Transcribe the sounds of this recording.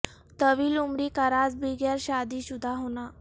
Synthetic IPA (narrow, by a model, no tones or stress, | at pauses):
t̪əʋiːlumɾiːkəɾad͡zbiɡjəɾɕad̪iːɕud̪ʱaɦona